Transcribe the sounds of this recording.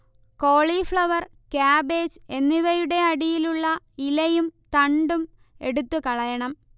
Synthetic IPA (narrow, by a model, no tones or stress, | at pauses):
ko̞ːɭifɭɐʋɐr | kaːbe̞ːd͡ʑe̞nːiʋɐjuɽe̞ɐɽijiluɭːɐ | ilɐjumt̪ɐɳɖum | e̞̰ɽut̪ːukɐɭɐjɐɳɐm